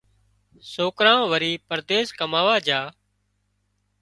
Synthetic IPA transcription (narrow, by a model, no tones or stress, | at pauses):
soːkɾãːʋəɾiːpəɾd̪eːskəmaːʋaːd͡ʒaː